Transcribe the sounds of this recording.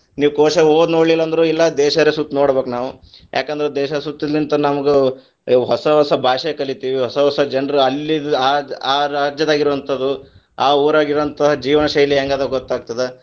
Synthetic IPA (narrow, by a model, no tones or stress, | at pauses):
niːʋukoːʃɐoːd̪noːɽlilːɐːnd̪ɐɾuilːɐd̪ɛːʃɐɾesut̪ːnoːɽbeːknaːʋujʔa̰ːkɐnd̪ɐɾed̪ɛːʃɐsut̪ːid̪ɾint̪ɐnɐmɐɡe | ɦɔsɐɦɔsɐbʱaːʃjekɐɭit̪iːʋiɦɔsɐɦɔsɐd͡ʒɐɳɾɐlːiaːaːɾaːd͡ʒjɐd̪aːɡiɾuʋɐnt̪ʰɐd̪u | aːuːɾaːɡiɾʋɐnt̪ʰɐɦɐd͡ʒiːʋɐnɐʃɐjɐliɦeːŋɡaːd̪ɾɐɡɔt̪ːaːɡ̚t̪ɐd̪e